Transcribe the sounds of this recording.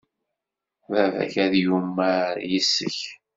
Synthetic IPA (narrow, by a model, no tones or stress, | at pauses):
vævæ̰çæðjumːaɾjəsːəç